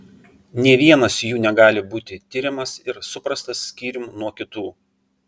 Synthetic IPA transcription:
nʲiɛːʋʲiɛnɐsjuːnʲɛɡɑːlʲɪbuːt̪ʲɪt̪ʲɪɾʲɪmɐsɪɾsʊpɾɐst̪ɐsːʲkʲiːɾʲɪmunuɔkʲɪt̪uː

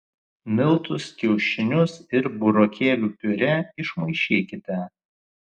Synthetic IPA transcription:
mʲɪlˠt̪ʊskʲɛʊʃʲɪnʲʊsɪɾbʊɾokʲeːlʲuːpʲʊɾʲɛɪʃmɐɪʃʲiːkʲɪt̪ʲɛ

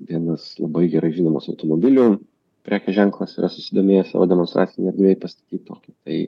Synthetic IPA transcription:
d̪ʲiɛnɐslˠɐbɐɪɡʲɛɾɐɪʒʲinoːmoːsɐʊt̪oːmobʲɪlʲʊ | pʲɾʲʔæːkʲɛʒʲɛŋklˠɐsiːɾʔɐsʊsʲɪd̪oːmʲeːjɛsɑ̰ːʋoːd̪ʲɛmɔnt̪ɾʔɑ̰ːsʲɪnʲɛɪɐɾʲd̪ʲʋʲeːjɛpɐst̪ɐ̥t̪ʲiːt̪̚t̪oːkʲɪt̪ɐɪ

